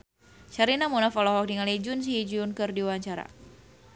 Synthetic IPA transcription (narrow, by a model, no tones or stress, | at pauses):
t͡ʃaɾinamunafɔlɔɦɔk̚diŋalid͡ʒʊnsiid͡ʒuʊnkɨrdiwaɲt͡ʃaɾa̰